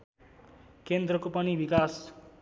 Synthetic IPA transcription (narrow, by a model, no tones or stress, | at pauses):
kend̪rʌkopʌnibikas